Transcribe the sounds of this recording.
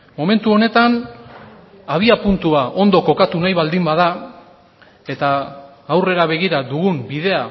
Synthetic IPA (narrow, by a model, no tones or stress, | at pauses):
mo̞me̞nt̪uo̞ne̞t̪an | aβ̞iapunt̪uaʔo̞nd̪o̞ko̞kat̪unajβald̪imbaða | e̞t̪aː | wre̞ɾaβe̞ɣiɾaðuɣumbiðe̞a